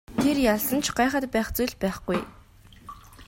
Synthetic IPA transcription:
t̪ʰerjaɮsə̆nt͡ɕʰɢaːχə̆t̪pæːχt͡sujɮpæːχɡuj

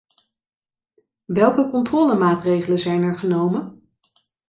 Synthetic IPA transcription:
ʋɛlˠkəkɔntrɔːləmaːtrejχələzɛjnɛɹχənowmən

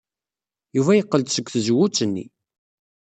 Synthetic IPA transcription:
juvæjəqːəlt̪səkʷːθəzwut͡sːənːḭ

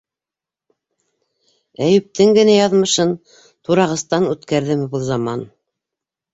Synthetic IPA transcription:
æjɘ̆p̚t̪ɘŋɡɘ̆næjɑðmɤ̆ʃɤn | t̪uɾɑʁɤ̆st̪ɑnʉt̪kæɾðɘmɘbɤlˠzɑmɑn

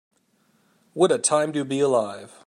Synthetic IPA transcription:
wəɾɨtʰãɪ̃mdɨbiəlaɪv̥

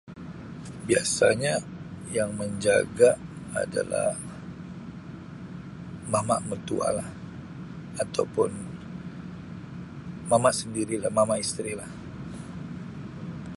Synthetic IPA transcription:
biasa̰ɲa | jaŋməɲd͡ʒaɡa | a̰da̰la̰h | mamaʔmət̪ua̰lah | at̪awpʊn | mamaʔsəndiɾilahmamaist̪ɾilah

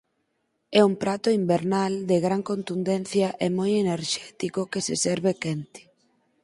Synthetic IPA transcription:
ɛumpɾat̪ʊimbeɾnald̪eɣɾaŋkont̪und̪ɛnθjɐʔemojeneɾʃɛt̪ikokesɪ̰sɛɾβekɛnt̪ɪ̥

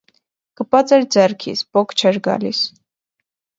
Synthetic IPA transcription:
kəpɑt͡sɛɾd͡zɛrkʰḭt͡spɔkʰt͡ʃʰɛɾɡɑ̰lḭs

